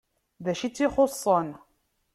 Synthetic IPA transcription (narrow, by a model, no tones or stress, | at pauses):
ðæʃit͡sːiχosˤːən